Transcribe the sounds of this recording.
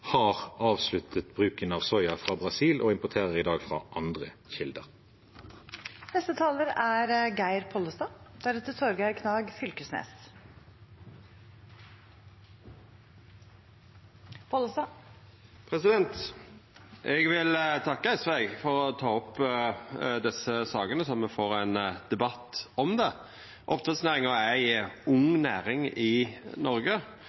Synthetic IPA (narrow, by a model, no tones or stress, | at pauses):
hɑːʁɑːʋslʉt̪ʰət̪bʁʉːkənɑːʋsɔʏɑfʁɑːbʁɑsiːlʔo̰ːɪmpʊt̪ʰeːʁəʁiːd̪ɑːɡfʁɑ̰ːʔɑnd̪ʁəçɪld̪əʁ | nɛst̪ət̪ʰɑːləɾæɾɡæɪɾpʰɔləst̪ɑːd̪̥æɾɛt̪ːəsoɾɡæɪkʰnɑːɡfʏlkəsnḛːs | pʰoləst̪ɑː | pʰɾɛsɪd̪ɛnt̪ | ʔɛɡʋɪlt̪ʰɑkːəæɪsʋæɪɡfɔɾɔt̪ʰɑːɔpː | d̪ɛsəsɑːɡənəsɔmːɛfoːɾæɪnd̪̥ɛbɑt̪ːɔmd̪ɛ | ʔɔ̰pt̪ʰʁɑt̪snæːʁɪŋɔæɪʊŋnæ̰ːɾɪŋɪnɔɾɡə